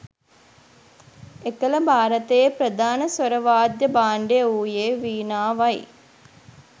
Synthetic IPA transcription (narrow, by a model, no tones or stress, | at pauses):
ekəlɐbʱaːɾɐt̪ejpɾɐd̪ʱaːnɐsʋɐɾɐʋaːd̪jɐbaːɳɖeuːjeːʋiːnaːʋɐj